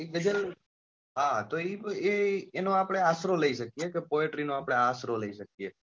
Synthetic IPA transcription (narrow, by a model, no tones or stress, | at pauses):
iɡəd͡ʒəl | ɦat̪oieːnõapɽ̃easɾoləiʃəkijekepoeʈɾinõapɽ̃easɾoləiʃək̚ije